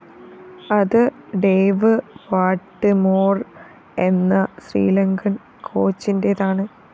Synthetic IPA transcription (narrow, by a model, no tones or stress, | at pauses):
ɐðɨɖejʋɨʋaːʈːɨmoːr | e̞nːɐɕrḭːlɐŋɡɐn | kʰo̞ːt͡ɕːinde̞ðaːɳɨ